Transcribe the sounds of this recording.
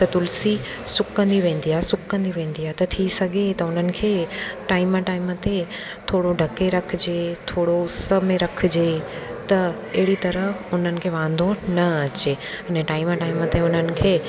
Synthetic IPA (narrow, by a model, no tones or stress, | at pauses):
t̪ɐt̪ʊlsi | sʊkkːɐ̃nd̪iʋẽːn̆d̪iaːɦesʊkkɐ̃nd̪iʋẽːn̆d̪iːaɦt̪ɐt̪ʰisɐɡʱet̪ɐʊn̤ənɪ̆kʰeːʈaːɪmaʈaːɪmət̪e | t̪ʰoːɽoɖʱɐkeɾɐkʰɪd͡ʑeːt̪ʰoːɽoʊsə̆mẽɾɐkʰɪ̆d͡ʑeːt̪ɐ | ɐɦɪɽit̪ɐɾəʊn̤ənɪ̆kʰeːʋãːn̆d̪ʱonɐɐt͡ɕe | ɐnẽʈaːɪmaʈaːɪmət̪eʊn̤ənɪ̆kʰeː